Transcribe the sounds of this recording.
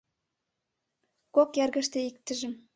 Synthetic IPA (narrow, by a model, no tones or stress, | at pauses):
kokjærɡə̆ʃt̪ĕik̚t̪ə̆ʒɘ̆m